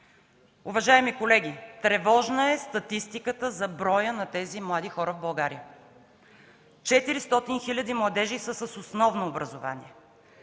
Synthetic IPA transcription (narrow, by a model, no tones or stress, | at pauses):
uvɐʒaɛmikolɛɡʲit̪ɾɛvɔʒnəɛst̪ɐt̪ist̪ikət̪əzɐbɾɔjənɐt̪ɛzimlˠad̪ixɔɾəvbɐlˠɡaɾiə | t͡ʃɛt̪iɾist̪ɔt̪inxilʲɐd̪imlˠɐd̪ɛʒisəsəsosnɔvnoːbɾɐzʊva̰nḭɛ